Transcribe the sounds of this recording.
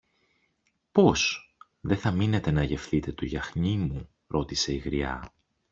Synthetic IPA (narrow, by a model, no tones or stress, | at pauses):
po̞s | ðe̞θɐmine̞t̪e̞nɐʝe̞fθit̪e̞t̪uʝɐxɲimu | ɾo̞t̪ise̞iɣɾiɐ̰